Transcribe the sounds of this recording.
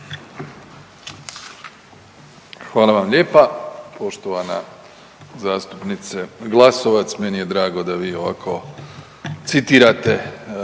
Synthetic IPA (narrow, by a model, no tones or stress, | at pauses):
xʋaːlˠaʋamʎʲe̞ːpapo̞ʃt̪oʋana̰ | zaːst̪upnit̪seɡlˠaso̞ʋat̪smenije̞d̪ɾaːɡo̞d̪aʋiːo̞ʋa̰kʰo̞ | t̪sit̪iːɾat̪e